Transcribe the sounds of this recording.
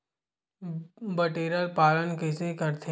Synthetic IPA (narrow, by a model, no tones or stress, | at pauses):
bɐʈeːɾəlpaːlənkɪsekəɾt̪ʰe